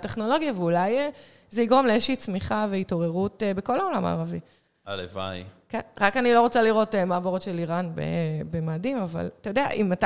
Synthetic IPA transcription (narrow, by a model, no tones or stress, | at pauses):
te̞χno̞lo̞ɡjaveulaje | zeiɡʁo̞mleezʃiːt͡smiχaveito̞ʁe̞ʁutebeko̞lao̞lama̰ːʁavi | aleva̰jkenʁakanilo̞ʁot͡saliʁo̞temaboʁotʃeliʁanbḛbemaːdimava̰latajod̪ea̰ʔimata